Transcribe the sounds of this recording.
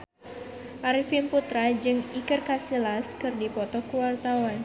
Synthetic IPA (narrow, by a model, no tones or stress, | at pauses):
ʔaɾifinput̪ɾad͡ʒɨŋikɨrkasilaskɨrdipɔt̪ɔkuwart̪awan